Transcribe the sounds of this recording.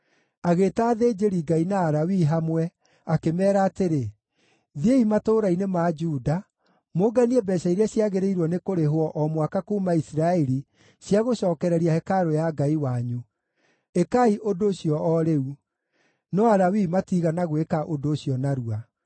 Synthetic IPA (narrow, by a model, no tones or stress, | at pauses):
aɣeːtaːðeːd͡ʒeɾiɡainaːɾawiɦamwɛ | akemɛːɾaːteɾe | ðieimatoːɾainemad͡ʒuːda | moɡaniɛbɛɕaiɾɛsjaɣeɾeiɾwɔnekoɾeɦwɔʔɔmwakakuːmaisɾaɛɾi | sjaɣoɕɔːkɛɾɛɾiahɛkaɾojaɡaiwaɲu | ekaiʔodoːɕiɔɔɾeu | nɔaɾawimatiɣanaɣoekaʔodoːɕijɔnaɾua